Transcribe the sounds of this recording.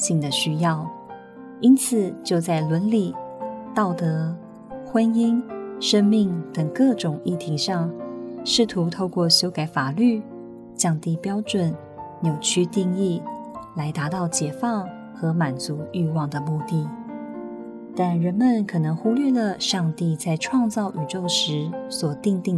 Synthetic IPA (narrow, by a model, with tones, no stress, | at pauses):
ɕi˥˩ŋd̪ə˩ɕy˥jɑ˥˩ʊ | i˥nt͡sʰɹ̩˨˩t͡ɕjo˥˧ʊt͡sa˥˩ɪlwə˧˥nli˨˩t̪ɑ˥˩ʊt̪ɤ˧˥ | xwə˥ni˥nʂə˥ŋmi˥˩ŋt̪ə˨˩ŋkɤ˥˩ʈ͡ʂʊ˨˩ŋi˥˩t̪ʰi˧˥ŋʂɑ˥˧ŋʂɻ̩˥˩t̪ʰu˧˥t̪ʰo˥˧ʊkwɔ˥˩ɕjo˥ʊka˨˩ɪfa˨˩ly˥˩ | t͡ɕjɑ˥˧ŋt̪i˥˩pjɑ˥ʊʈ͡ʂwə˨˩˦n | njo˨˩ʊt͡ɕʰy˥t̪i˥˧ŋi˥˩la˧˥ɪt̪a˧˥t̪ɑ˥˩ʊt͡ɕjɛ˨˩fɑ˥˩ŋ | xɤ˧˥ma˨˩nt͡su˧˥y˥˧wɑ˥˩ŋd̪ə˩mu˥˧t̪i˥˩ | t̪a˥˩nɻə˧˥nmə˨nkʰɤ˨˩nɤ˧˥ŋxu˥lɥɛ˥˩lə˩ʂɑ˥˧ŋt̪i˥˧t͡sa˥˧ɪʈ͡ʂʰwɑ˥˧ŋt͡sɑ˥˩ʊʔy˨˩ʈ͡ʂo˥˩ʊʂɻ̩˧˥swɔ˨˩t̪i˥˧ŋt̪i˥˩ŋ